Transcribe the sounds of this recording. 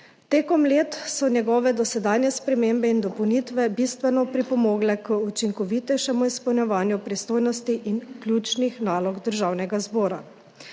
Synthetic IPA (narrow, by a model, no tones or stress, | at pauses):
t̪eːkɔmleːt̪sɔnjɛɡɔːʋɛd̪ɔsɛd̪aːnjɛspɾɛmeːmbɛind̪ɔpɔwnit̪ʋɛbiːst̪ʋɛnɔpɾipɔmɔːɡlɛkəut͡ʃiŋkɔʋit̪ɛjʃɛmuispɛwnjɛʋaːnjupɾist̪oːjnɔst̪iʔinkljuːt͡ʃnixnaːlɔɡd̪əɾʒaːwnɛɡazbɔːɾa